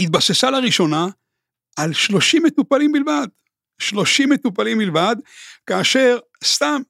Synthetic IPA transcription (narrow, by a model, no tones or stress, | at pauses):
hit̪̚basesalaʁiʃo̞na | alʃlo̞ʃimet̪upalimbilvad̪ | ʃlo̞ʃimːet̪upalimbilvad̪kaːʃe̞ʁ | st̪am